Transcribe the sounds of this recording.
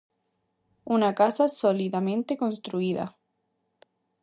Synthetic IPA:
unakasasoliðamẽnt̪eko̞nst̪ɾuiða̰

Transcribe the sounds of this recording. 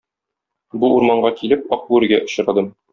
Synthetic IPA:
buuɾmɑɴɢɑkilɘp̚ɒq̚uɘɾɡæʔŏɕɤ̆ɾɑd̪ɤm

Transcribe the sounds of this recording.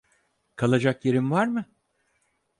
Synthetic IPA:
kʰalˠad͡ʒakjeɾimvaɾmɯ

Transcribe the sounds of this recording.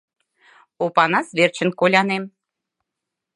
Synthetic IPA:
opɑnɑsβert͡ɕə̆nkolʲɑnem

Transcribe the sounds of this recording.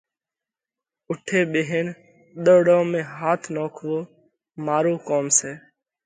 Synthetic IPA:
ʊʈʰeːɓeːɦeːn | ɗ̪əːɽõːmẽːɦaːt̪ʰnoːkʰʋoː | maːɾoːkoːmseː

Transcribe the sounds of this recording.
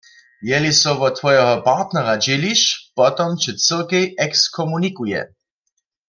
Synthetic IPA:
jɛlisɔʋɔt̪ʋɔjɛɦɔpaʁt̪nɛʁad͡ʒɪliʃpɔt̪ɔmt͡ʃɪt͡səlkɛjɛkskʰɔmunikujɛ̰

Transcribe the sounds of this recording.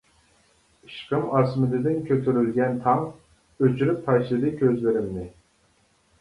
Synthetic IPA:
ɨʃqɯmɑsmɨd̪ɨd̪ɪnkʲʰøt̪ʰyɾylɡʲɛnt̪ʰɑm | øt͡ʃʰylyppʰɑjʃlˠɨd̪ɨkʲʰøzlɪɾɪmnɪ

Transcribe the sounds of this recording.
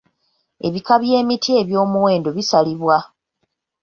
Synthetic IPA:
e̞̰βikaβje̞ːmitʰie̞βjo̞ːmuwe̞ːndo̞βisaliβwa

